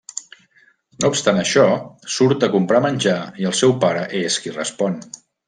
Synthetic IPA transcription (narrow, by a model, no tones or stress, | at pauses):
noupst̪anəʃɔsuɾt̪əkumpɾamənʲd͡ʒaiəlˠsɛwpaɾəʔeskirəspɔn